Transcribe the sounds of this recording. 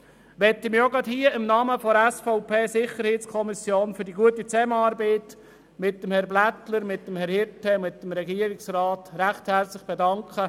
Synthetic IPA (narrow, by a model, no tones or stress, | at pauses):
ʋɛtɪmɪjoɡɑthiːəɪmnɑːməfɔɛsfɔʊpʰeːsɪχəɾheːtt͡skʰɔmisjoːnfyɾdiɡuətit͡sɛməɑːɾbeːt | mɪt̚ːəmhɛɾblætləɾmɪt̚dəmhɛɾhɪɾtʰɛmɪtːəmɾɛɡiːəɾɪksɾɑːtɾæχthɛɾt͡slɪχb̥edɑŋkχə